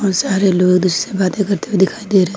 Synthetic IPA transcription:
ɔːnsaːɾeloːɡd̪ʊssebaːt̪ẽkɐɾt̪eed̪ɪkʰaːid̪eːɾɛɦ

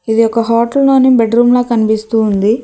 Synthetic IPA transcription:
id̪iɔkːɐɦɔːʈɐlnoːnibeɖɾuːmloːkɐnipist̪uːnd̪i

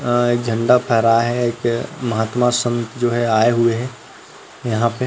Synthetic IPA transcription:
eːk̚d͡ʒʱə̃ɳɖapʰɛːɾaːɦɛeːkmɐɦaːt̪masə̃nt̪d͡ʒoːɦɛaːeɦʊeɦɛ̃ | jɐɦãpe

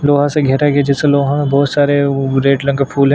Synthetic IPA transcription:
loːɦãseɡʱɛːɾaɡiad͡ʒɛseloːɦãmẽbɔːt̪saːɾeɾeːʈlɐ̃ŋɡəpʰuːlɦɛ̃

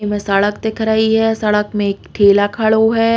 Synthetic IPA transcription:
mẽsəɭək̚t̪ekʰɾaːiɦɛːsəɭəkmẽkʈʰeːlakʰaɭoɦɛː

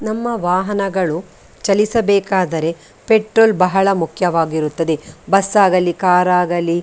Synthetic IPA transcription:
nɐmːɐʋaːɦɐnɐɡɐɭu | t͡ʃɐlisɐbɛːkaːd̪ɐɾe̞ | peʈɾoːlbɐɦɐɭɐmukʰjɐʋaːɡiɾut̪ːɐd̪e̞bɐsːaːɡɐlikaːɾaːɡɐli

